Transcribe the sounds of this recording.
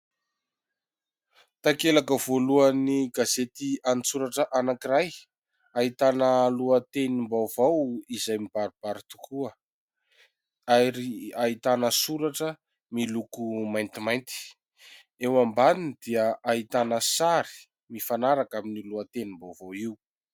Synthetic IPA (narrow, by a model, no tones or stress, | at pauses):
t̪akelakəv̥oluəniɡazet̪ianisuɾaʈ͡ʂəʔanakiɾaj | aɦit̪anəluət̪enimbawv̥awizajmib̥aɾub̥aɾit̪ukʰuə | aɾiait̪anəsuɾaʈ͡ʂə | milukumajnt̪imajnt̪i̥ | ewambaninid̪̥iəʔait̪anəsaɾi̥ | mifanaɾakaminiluat̪enimbawvawiwu